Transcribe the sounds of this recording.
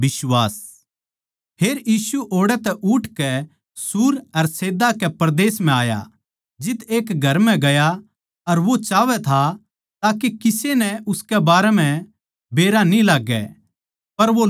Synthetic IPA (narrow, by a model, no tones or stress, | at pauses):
ɪsʋaːs | pʰeːɾjiːsuʔoːɽɛt̪ɛʔʊʈʰkɛ | suːɾɐɾseːd̪akɛpɐɾd̪eːsm̤ɛ̃aːja̰ | d͡ʒɪt̪eːkɡʱɐɾmɛ̃ɡɐja | ɐɾʋot͡ʃaːʋɛt̪ʰa | t̪aːkekɪsenɛʊskɛbaːɾɛmɛ̃ | beːɾanĩlaːɡːɛ̰ | pɐɾʋo